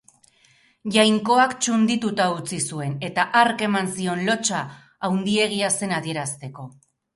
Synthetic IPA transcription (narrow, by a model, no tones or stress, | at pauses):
ʝajŋko̞akt͡ʃund̪it̪ut̪aut͡sisue̞ne̞t̪aʔaɾke̞mansio̞nlo̞t͡ʃaː | wnd̪ie̞ɣ̞iase̞nað̞ie̞ɾast̪e̞ko̞